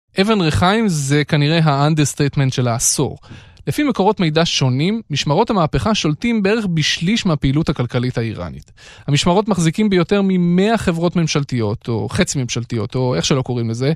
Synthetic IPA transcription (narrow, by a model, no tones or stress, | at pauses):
ʔevenʁeχajmze̞kaniʁe̞ɦaandeʁst̪etme̞ntʃelaːso̰ʁle̞fimeko̞ʁo̞tme̞jdaʃo̞nimːiʃmaʁo̞thamaːpeχaʃo̞ltimbee̞ʁeχbiʃliʃmeapeiluthakalkalithaiʁa̰nḭthamiʃmaʁo̞tmaχzikimbejo̞te̞ʁmime̞aχe̞vʁo̞tme̞mʃaltijo̞t̪ʰo̞̰χet͡sime̞mʃaltijo̞to̞e̞χʃelo̞ko̞ʁimleze̞